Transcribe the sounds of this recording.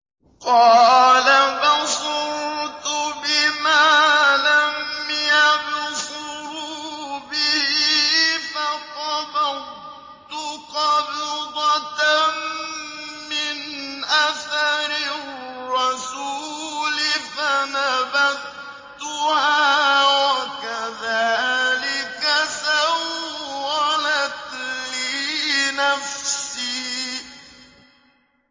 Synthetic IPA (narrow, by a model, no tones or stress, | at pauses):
qɑːlabɑsʊɾt̪ʊbɪmaːlamjabʊsʊɾubɪhifaqɑbɑ | t̪ʊqɑbd̪ˤɑt̪ | mɪnʔaθaɾɪː | ɑsuːlɪfanabad | t̪ʊhaːwakaðaːlɪkasawː | alat̪liːnafsiː